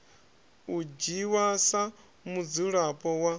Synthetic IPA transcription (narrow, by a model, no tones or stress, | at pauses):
ud͡ʒiwasa | mud͡zuɺapʼɔwa